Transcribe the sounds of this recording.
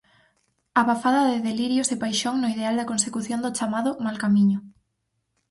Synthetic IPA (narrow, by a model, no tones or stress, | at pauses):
aβafaðɐðeðeliɾjosepajʃoŋnoiðeald̪ɐkonsekuθjond̪ot͡ʃamaðʊmalkamiɲʊ